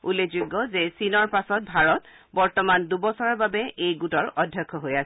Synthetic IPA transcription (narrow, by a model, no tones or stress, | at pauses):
ulezuɡːɔzɛsinɔɹpasɔt̚bʱaɹɔt | bɔɹtɔmandubɔsɔɹaɹbabɛʔejɡutɔɹɔdʱjɔkʰːɔɦojasɛ